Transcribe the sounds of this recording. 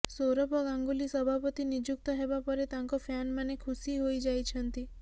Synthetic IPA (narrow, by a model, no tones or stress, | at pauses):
soɾəpəɡãŋɡulisəbʱapət̪inid͡ʒuk̚t̪əɦeʋapəɾet̪ãŋkofʰanmanekʰusiɦoid͡ʒajt͡ʃʰənt̪i